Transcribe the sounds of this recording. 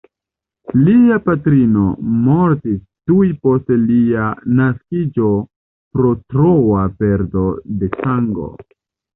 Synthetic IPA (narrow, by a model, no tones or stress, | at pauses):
liapatɾino̞moɾtis | tujpo̞stlianaskid͡ʒo̞ | pɾo̞tɾowape̞ɾdo̞de̞saŋɡo̞̰